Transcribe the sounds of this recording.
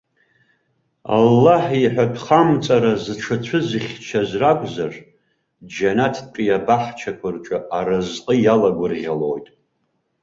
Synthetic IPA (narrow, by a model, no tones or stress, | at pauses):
a̰lːaħiħʷᶣatʰχamt͡sʼaɾazɨʈ͡ʂʰɨt͡ɕʷʰɨzɨχʲt͡ʃʰazrakʷʰʼzar | d͡ʒanatʰpʼijabaħt͡ʃʰakʷʰʊrt͡ʃʷʼaaɾɨzqʼəjalaɡʷʊrʁʲalo̰jtʼ